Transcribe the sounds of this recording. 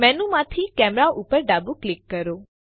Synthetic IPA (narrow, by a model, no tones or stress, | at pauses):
mɛnũmãt̪ʰikɛmɾaʔupəɾɖabuklɪkːəɾo